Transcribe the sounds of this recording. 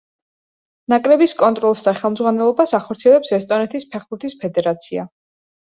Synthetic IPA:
nakʼɾɛbiskʼɔnt̪ʼɾɔlˠsd̪aχɛlˠmdzʁwanɛlˠɔbasaχɔɾt̪sʰiɛlɛpsɛst̪ʼɔnɛt̪ʰispʰɛχbuɾt̪ʰispʰɛd̪ɛɾat̪sʰia̰

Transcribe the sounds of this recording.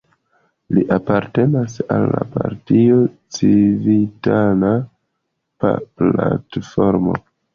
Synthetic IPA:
liʔapaɾte̞nasalːapaɾtiot͡sivitana | paplatfo̞ɾmo̞

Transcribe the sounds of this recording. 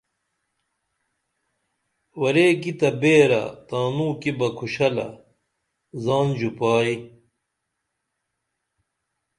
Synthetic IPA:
wɐɾeːkit̪ɐbeːɾɐ̰t̪aːnuːkibɐkʰuɕɐlɐ̰ | zaːnd͡ʑupaːi

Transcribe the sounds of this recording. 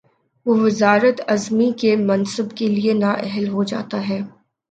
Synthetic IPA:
ʋoːʋɪzaːɾət̪ɐzmikemɐnsəbkelienaʔɛɦəlɦod͡ʒa̰ːt̪aɦɛː

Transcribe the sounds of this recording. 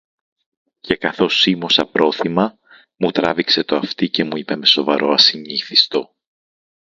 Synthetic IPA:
ce̞kɐθo̞simosɐpɾʔo̞θimɐ | mut̪ɾɐ̰vikse̞t̪o̞ɐft̪ice̞muipeme̞so̞vɐɾo̞ɐsiɲiθist̪o̞

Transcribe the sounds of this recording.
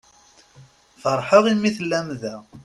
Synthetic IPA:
fəɾˤħəʁimːiθəlːæmðæ

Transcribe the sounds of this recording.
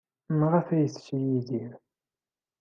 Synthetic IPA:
mʁəfæjəθʃijiðiɾ

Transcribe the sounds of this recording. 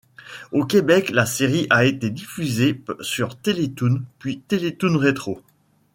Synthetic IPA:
okʲebɛklaseʁiʔaet̪ed̪ifyzesyʁt̪elet̪unpɥit̪elet̪unʁet̪χo

